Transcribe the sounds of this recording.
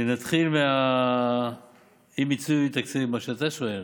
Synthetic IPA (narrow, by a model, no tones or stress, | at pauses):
nat̪χilmea | imit͡suit̪aksivmaʃeat̪aʃoel